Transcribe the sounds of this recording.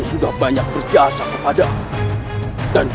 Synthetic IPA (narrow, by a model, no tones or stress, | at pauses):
nsudahbaɲak̚bərd͡ʒiasakəpada | dand͡ʒ